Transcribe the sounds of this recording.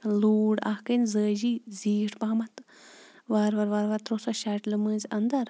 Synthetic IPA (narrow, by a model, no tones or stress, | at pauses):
luːɽa̰hkənzəːd͡ʒiziːʈʰpaɦmɐt̪ʋaɾʋaɾʋaɾʋaɾt̪ɾosoʃaʈlɨmɨːzʲɐnd̪ɐɾ